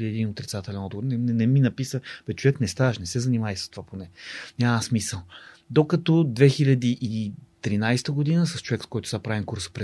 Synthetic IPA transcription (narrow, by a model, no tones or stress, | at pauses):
iɛd̪inot̪ɾit̪sat̪ɛlɛnɔd̪ɡovoɾnɛnɛnɛminɐpisəpɛt͡ʃovɛknɛst̪avəʃnɛsɛzɐnimaisə̥st̪ovaponɛnʲaməsmisəlˠ | d̪okɐt̪ɔd̪vɛxilʲɐd̪iʔit̪ɾinajst̪əɡod̪inəsɐst͡ʃovɛkskɔjt̪ʊ̥sʲapɾaviŋkuɾsə̥pɾɛ